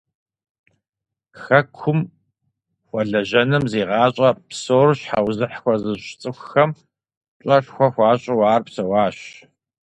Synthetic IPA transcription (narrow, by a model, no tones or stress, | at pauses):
xɐkʷʰʊm | xʷɔɮɐʑɐnɨmzeːʁɑːɕʼɐpsoːrɕħawzɨħxʷɔzɨɕt͡sʼɨxʷxɐm | ɕʼɐɬxʷɔxʷɑːɕʼɪwɑːrpsɐwɑːɕ